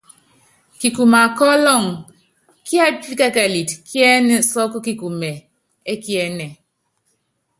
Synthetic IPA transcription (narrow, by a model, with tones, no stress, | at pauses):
ki˨ku˨ma˨kɔ˦lɔ˦˨ŋ | kja˦t̚pi˦kɛ˦kɛ˨li˨tkjɛ˦nɛ˨sɔ˦kki˨ku˨mɛ˨ | e˦kjɛ˦nɛ˨